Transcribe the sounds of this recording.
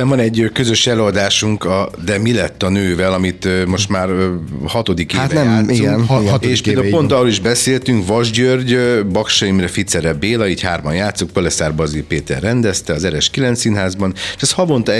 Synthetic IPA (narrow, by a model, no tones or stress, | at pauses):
ɛmvɒnɛɟːkøzø̞ʃɛløːɒd̪aːʃuŋkɒd̪ɛmilɛt̪ːɒnøːvɛlɒmit̪ømo̞ʃt̪maːrhɒt̪o̞d̪ikeaːt̪nɛmːiɛneːʃʃpeldauopo̞nt̪ɒrːoːliʒbɛseːlt̪yŋkvɒʒɟørɟbɒkʃɒimrɛfit̪sɛɾɛbeːlɒiːchaːrmɒ̰njaːt̪sok̚polɛsaːrbɒzirpeːt̪ɛ̰rːɛnd̪ɛst̪ɛɒzɛɾɛʃkilɛnt̪sinɦaːzbɒnːʃɛshɒvo̞nt̪